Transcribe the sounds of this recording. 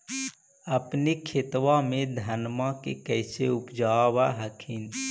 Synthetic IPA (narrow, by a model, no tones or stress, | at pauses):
əpnikʰet̪wamẽd̪ʱənmãkekəɪseʊpd͡ʒaːwaɦəkʰin